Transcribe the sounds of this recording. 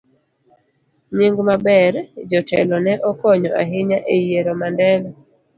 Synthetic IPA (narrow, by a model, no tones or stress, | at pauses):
ɲiŋɡmabɛɾd͡ʒɔtɛlɔnɛʔɔkɔɲɔʔaɦɪɲaʔejeɾɔmandɛlɔ